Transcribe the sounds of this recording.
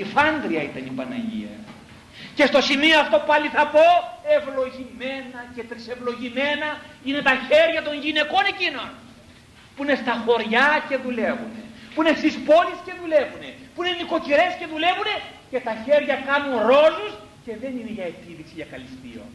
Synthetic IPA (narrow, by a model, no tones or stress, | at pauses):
ifɐŋɡ̪ɾiɐit̪ɐnipɐnɐ̰ʝḭɐ̰ | ce̞st̪o̞simioɐft̪o̞pɐliθɐpo̞e̞vlo̞ʝime̞nɐce̞t̪ɾise̞vlo̞ʝime̞nɐine̞t̪ɐçe̞ɾʝɐt̪o̞nʝine̞ko̞ne̞cino̞n | puine̞st̪ɐxo̞ɾʝɐce̞ðule̞vune̞̰puinest̪ispo̞lisce̞ðule̞vune̞puine̞niko̞ciɾe̞sce̞ðule̞vune̞ce̞t̪ɐçe̞ɾʝɐkɐnunɾo̞lus | ce̞ðe̞nine̞ʝɐet̪iðiksiʝɐkɐlist̪ḭo̰